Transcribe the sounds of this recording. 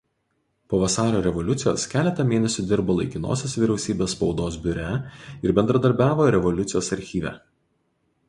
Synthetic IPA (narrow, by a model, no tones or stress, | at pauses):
poːʋɐsɑːɾʲoːɾʲɛʋɔlʲʊt̪sʲɪjo̰ːskʲæːlʲɛt̪ɐmʲeːnʲɛsʲʊd̪ʲɪɾboːlˠɐɪkʲɪno̰ːsʲesʋʲiɾʲɛʊsʲiːbʲeːsspɒʊd̪oːsbʲʊɾʲæɪɾbʲɛnd̪ɾɐd̪ɐɾʲbʲæːʋoːɾʲɛʋɔlʲʊt̪sʲɪjoːsɐɾʲxʲiːʋʲæ̰ː